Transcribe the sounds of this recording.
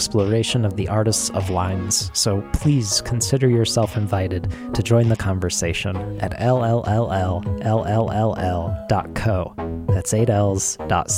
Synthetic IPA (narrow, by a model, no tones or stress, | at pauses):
splə˞eɪʃɨ̃nʌvðiʔɑɹɾɨstsʌ̰vlãɪ̃nz̥soʊpʰl̥iz̥kʰn̩sɪɾə˞jə˞sɛlˠfɨ̃ɱvaɪɾɨd̚tʰɨd͡ʒɔ̃ɪ̃nðɨkʰɑ̃ɱvə˞seɪʃɨ̃nʔɨɾɛlˠɛlˠʔɛlˠɛlˠʔɛlˠɛlˠɛlˠɛlˠd̥ɑ̰t̚kʰoʊðætseɪɾɛlˠz̥d̥ɑ̰t